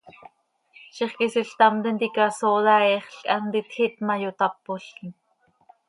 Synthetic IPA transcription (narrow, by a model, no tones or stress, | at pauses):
ʃiχkisiɬt̪ɑmt̪ɛnt̪ikɑsolaɛχɬkʼɑmt̪it̪xit̪mɑjot̪ɑpːoɬkin